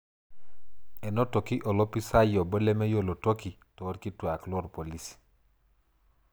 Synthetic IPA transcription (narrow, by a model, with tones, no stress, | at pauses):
ɛ˨nɔ˦to˨ki˦ʔɔ˨lɔ˦pi˦sa˦jɔ˨bɔ˦lɛ˦mɛ˦jo˦lo˨to˦ki˨ | tɔ˨˦ɾki˦twa˨klɔ˦ɾpo˨li˦s